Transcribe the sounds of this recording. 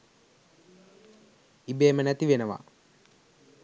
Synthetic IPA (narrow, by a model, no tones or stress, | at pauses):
ibeːmənæt̪iʋenəʋa̰